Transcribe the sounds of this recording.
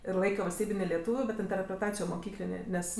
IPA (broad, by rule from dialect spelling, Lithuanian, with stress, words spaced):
ɪr ˈlˠɐɪkʲoː ʋɐlʲsʲˈtʲiːbʲɪnʲeː lʲɛˈtuːʋʲʊ bʲɛt ɪnʲtʲɛrʲpʲrʲɛˈtɑːt͡sʲɪjoː moːˈkʲiːklʲɪnʲeː ˈnʲɛs